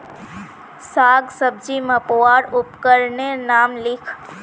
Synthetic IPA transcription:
saɡsəb̚d͡ʒiməpoʋaɾʊpkəɾnenamlɪkʰ

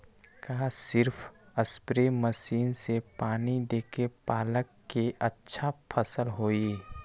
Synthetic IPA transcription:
kaːsɪɾpʰəspɾeməsiːnsepaːnid̪eːkepaːləkːeʔətːʃʰapʰəsəlɦoːi

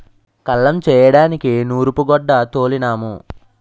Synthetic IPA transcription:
kɐlːɐmt͡ʃɛːjɐɽaːnikinuːɾupuɡɔɖːɐt̪o̞ːlinaːmu

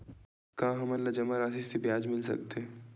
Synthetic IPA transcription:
kãɦɐmɐlːad͡ʒɐmaɾaːsisebjaːd͡ʒmɪls̬ɐ̰k̚t̪eɛ

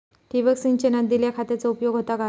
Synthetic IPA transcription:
ʈiʋəksint͡ɕenad̪iljakʰat̪et͡sɔupjoɡʱɦot̪aɡa

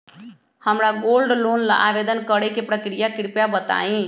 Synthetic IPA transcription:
həmɾaɡolɖlonla̰ʔabed̪ənkəɾekepɾəkɾijakɾpjabət̪a̰ːĩ

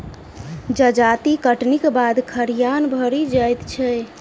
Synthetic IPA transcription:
d͡ʒəd͡ʒat̪ikəʈnikbad̪kʰəɾijanbʱəɾid͡ʒajt̪t͡ʃʰɛ

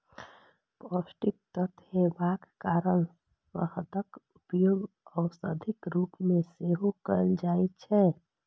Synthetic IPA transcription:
pɔsʈɪk̚t̪ət̪ɦebakkaːɾən | ʋəhət̪əkʊpjoːɡ | ɔːsəd̪ʱɪkɾuːpmẽseɦokəɾnd͡ʒaːit͡ʃʰɛ

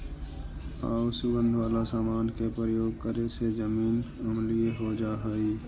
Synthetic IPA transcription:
a̰ːsʊɡə̃nd̪ʱʋaːlasaːmaːnkepɾɾəjoːɡkəɾesezəmiːn | əmlieɦod͡ʒaːɦɛi

